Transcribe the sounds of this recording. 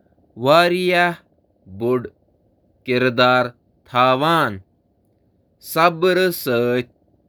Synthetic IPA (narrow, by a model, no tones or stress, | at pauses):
ʋaːɾijah | buɖ | kiɾd̪aːɾ | t̪ʰaːʋaːn | sɐbɾəsəːt̚